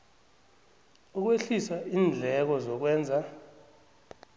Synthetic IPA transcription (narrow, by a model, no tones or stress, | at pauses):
uk̬weɬisaiːnd͡ɮʱɛk̬ɔzɔk̬wɛːnd͡zʱa